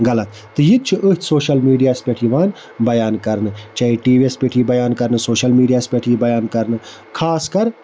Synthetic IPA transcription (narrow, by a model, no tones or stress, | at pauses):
ɡɐlɐt̪ | t̪ɨjit̪̚t͡ʃʰiʔət̪ʰʲsoːʃɐlmiːɖijaːspʲeʈʰiːʋaːn | bɐjaːnkɐɾnɨt͡ʃɐiʈiːʋiespʲeʈʰiːbɐjaːnkɐɾnɨsoːʃɐlmiːɖijaːspʲeʈʰiːbɐjaːnkɐɾnɨ | kʰaːskɐɾ